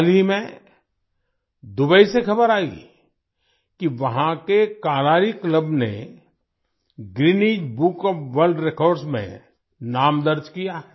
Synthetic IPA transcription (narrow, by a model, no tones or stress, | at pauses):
limẽ | d̪ʊbəisexɐbəɾaːḭ | kiʋɐɦãkekaːɾaːɾikləbnḛ | ɡɾiniːd͡ʒbuːkɔpʋəlɖɾekɔːɾɖsmḛ̃ | naːmd̪əɾd͡ʒkijaɦɛː